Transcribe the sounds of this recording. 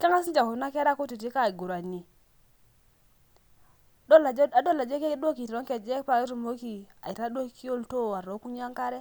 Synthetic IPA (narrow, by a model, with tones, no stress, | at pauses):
ke˦ŋa˦s̬i˦nd͡ʒa˨ku˨˦na˦ke˦ɾa˦ku˦ti˨t̬i˦ka˦˨ɡu˨ɾa˨ni˨ | o˦la˨d͡ʒa˦do˦la˨d͡ʒe˦ke˦ɗo˦ki˨tɾo˦ŋke˨d͡ʒe˦pa˨ke˦tu˦˨mo˦ki˨a̰˨i˨ɾa˦ɗo˦ki˦o˦˨lto˦a˨ɾo˨˦ku˦ɲ˦a˦ŋka˦ɾe˦